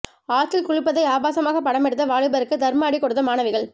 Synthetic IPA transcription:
aːt̪ːɪlkʊɻɪpːɐðɐɪaːbaːsɐmaːɣɐpːɐɽɐmɛɽɯt̪̬ːɐʋaːɻɪbɐɾɯkːɯd̪ɐɾmaːɽikːɔɽɯt̪ːɐmaːnɐʋɪɣɐɭ

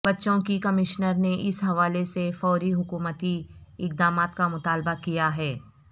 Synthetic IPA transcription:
bɐtːʃõkikɐmɪʃnəɾneʔɪsɦɐʋaːlesefɔːɾiɦʊkuːmət̪iɪk̚d̪aːmaːt̪kamʊt̪aːlbakijaɦɛː

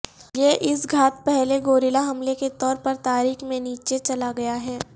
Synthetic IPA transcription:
jeʔɪsɡʱaːt̪̚pɛɦleɡoːɾɪlaɦɐmleket̪ɔːɾpɐɾt̪aːɾiːxmẽniːt͡ʃet͡ʃɐlaɡɐjaɦɛː

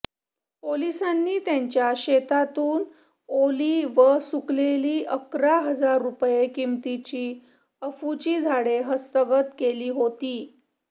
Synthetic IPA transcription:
polisanːiːt̪jaɲt͡ɕjaɕet̪at̪uːn | oliːʋəsukleliːʔəkɾaɦəd͡zaɾːupjekimt̪it͡ɕiː | əfut͡ɕiːd͡zʱaɽeɦəst̪əɡət̪keliːɦot̪iː

